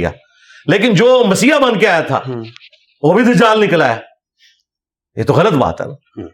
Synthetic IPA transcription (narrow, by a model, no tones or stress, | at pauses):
ja̰ː | leːkɪnd͡ʒoːmɐsiːabɐ̃nd̪keaːjat̪ʰa̰ː | ʋoːbʱit̪ʰed͡ʒaːlnɪkəlaɛː | jḛːt̪oɣɐlət̪̚ba̰ːt̪ɦɛ̰n